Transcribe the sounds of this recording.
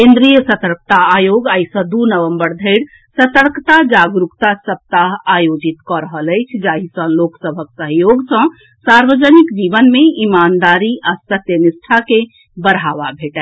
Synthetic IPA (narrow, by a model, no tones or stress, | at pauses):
kẽnd̪ɾijəsət̪əɾk̚t̪aːjoɡajsə̃d̪unəʋəmbəɾd̪ʱəɪɽ | sət̪əɾkt̪ad͡ʒaɡɾukt̪asəp̚t̪aɦajod͡ʒit̪kɔɾəɦələjt͡ʃʰd͡ʒaɦisə̃loksəbʱəksəɦjoɡsə̃ | saɾʋəd͡ʒənikd͡ʒiʋənmeimand̪aɾiast̪ət̪jənisʈʰake | bəɾaʋabʱeʈɛ